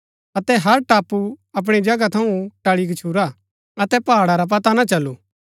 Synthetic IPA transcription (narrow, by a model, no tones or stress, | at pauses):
ɐt̪ɛɦɐɾʈaːpːuɐp̬ɽ̃id͡ʒɐɡat̪ʰɐũʈɐɭik̬ɐt͡ʃʰuːɾa | ɐt̪ɛpaːɽaɾap̬ɐt̪anat͡ʃɐlːuː